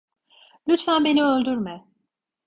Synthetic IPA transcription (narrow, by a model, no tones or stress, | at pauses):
lʲyt̪fænbe̞niølʲd̪yɾmɛ